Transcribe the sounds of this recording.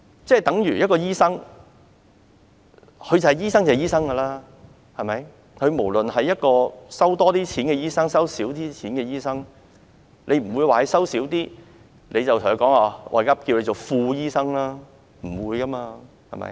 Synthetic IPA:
t͡sɛː˥˩jt̪ɐ˨˥ŋjyː˨˩jɐ˥t̚kɔː˧jiː˥sɐ˥ŋ | hʰɵ˨˧ɥt͡sɐ˨˩hjiː˥s̬ɐ˥ŋt͡sɐː˨˩jiː˥s̬ɐ˥ŋkɐː˧laː˥ | hɐ˨jmɐ˨˥j | kʰɵ˨˧ɥmo˨˩wlɵ˨nhɐ˨jːɐ˥t̚kɔː˧sɐ˥wt̪ɔː˥t̪iː˥t͡sʰiː˨˥nkɛː˧jiː˥sɐ˥ŋsɐ˥wsiː˨˥wt̪iː˥t͡sʰiː˨˥nkɛː˧jiː˥sɐ˥ŋ | lʔe˨˧jm̩˨˩wuː˨˧jwaː˨he˨jsɐ˥wsiː˨˥wt̪iː˥ | lʔe˨˧jt͡sɐ˨wt̪ʰhkɔː˨˥ŋaː˧ʔɔ̰˨jkɐ˥p̚ki˧wle˨˧jt͡so˨˩wfuː˧jiː˥sɐ˥ŋlaː˥ | m̩˨˩wuː˨˧jkɐː˥maː˧ | hɐ̰˨jmɐ̰˨˥j

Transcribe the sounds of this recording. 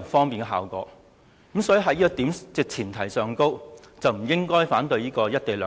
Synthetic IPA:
nfɔː˥ŋpiː˨nkɛ˧ɦa̰ː˨wkɔ̰ː˨˧˥ | kmsɔː˨˧˥ji˨˩ɦɐ˧jiː˥kɔ˧t̪iː˨˥mt͡sɪ˨˧k̚t͡sʰiː˨˩nt̪ʰɐ˨˩jsœː˨˧ŋko˥w | t͡sɐ˨wm̩˨˩jɪ˥ŋkɔː˥jfaː˨˥nt̪ɵ˧ɥjiː˥kɔː˧jɐ˥t̚t̪e˨˩lœː˨˧

